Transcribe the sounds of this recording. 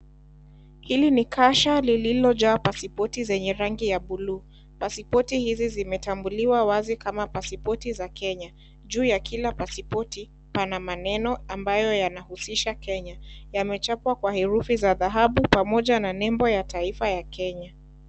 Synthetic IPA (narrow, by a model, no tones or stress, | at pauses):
hilinikʰaʃalililɔʄaːpasipɔtizɛɲɛɾaŋɡijaɓuluː | pasipɔtihizizimɛtambuliwawazikamapasipɔtizakɛɲa | ʄuːjakʰilapasipɔti | panamanɛnɔambajɔjanahusiʃakɛɲajamɛt͡ʃapwakwahɛɾufizaðaɦaɓupamɔʄananɛmbɔjataifajakɛɲa